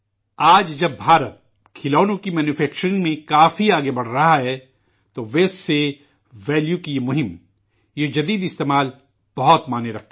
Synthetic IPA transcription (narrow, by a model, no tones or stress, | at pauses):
aːd͡ʒd͡ʒɐbːʱaːɾət̪̚ | kʰɪlɔːnõkimɛːnjufʰɛːk̚t͡ʃəɾ̃nmẽkaːfiaːɡebɐɽ̤ɾɐɦaɦɛː | t̪oʋeːsːe | ʋɛːljukijemʊɦɪm | jed͡ʒɐd̪iːd̪ɪst̪eːmaːl | b̥ɐɦʊt̪maːneɾɐk̚ʰt̪e